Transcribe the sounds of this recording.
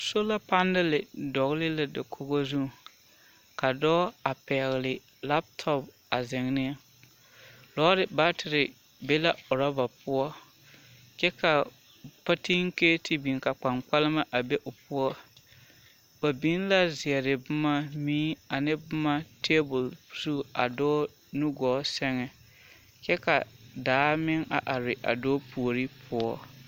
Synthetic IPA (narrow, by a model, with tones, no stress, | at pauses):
so˦la˦pa˦ndɪ˦lɪ˨dɔ˨ɣlɪ˦la˨dɪ˨kʰo˦ɣo˦zu˦˨ | ka˨dɔː˦a˨pɛ˨ɣɪ˨lɪ˨ | la˦p̚tʰɔ˦p | a˨zɪ˨ŋ˦nɪ˦ | lɔː˦ɾɪ˨ba˦tʰɪ˨ɾɪ˨ | be˦la˦ʊ˨ɾa˦ba˨pʊ˦ɔ˦ | kɛ˦ka˨ | pa˦ti˦ŋ˦ke˦tʰɪ˦bi˨ŋ˨ka˨k͡pa˨ŋk͡pa˦lɪ˦ma˦ʔa˨be˦ʔʊ˨pʊ˦ɔ˦ | ba˨bi˨˦n˦la˦zɪ˨ɛ˨ɾɪ˨bʊ˦ma˦mĩː˦a˨nɪ˦bʊ˦ma˦tʰeː˦bʊ˨lpu̥˨su˦˨a̰˨dɔː˦ | nu˦ɡɔː˨˦sɛ˦ŋɛ˨ | kɛ˦ka̰˨daː˨˦mɪ˦ŋa̰˨ʔa˨ɾɪ˨ʔa̰˨doː˦pʰu˨o˨ɾi˦pʰʊ˦ɔ˦